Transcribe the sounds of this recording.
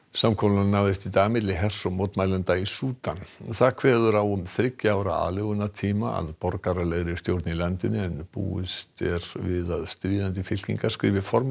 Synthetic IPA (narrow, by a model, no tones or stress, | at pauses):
samkʰɔlanaːvðɪst̪it̪aːɣamɪt̪lɪɦɛr̥sɔmowt̪maːjlant̪aisuːt̪anθakʰv̥ɛːðʏɾawʏmθɾɪcːɪaːwɾaa̰ːlɛɣʏnat̪ʰiːmaa̰ðpɔɾkaɾaleɣɾɪ̥st̪jowɾt̪nilant̪ʏnːɪɛnpṵːɪst̪ɛɾvɪðaðst̪ɾiːðant̪̬ɪfɪl̥kḭŋkḁskɾɪːvɪfɔɾm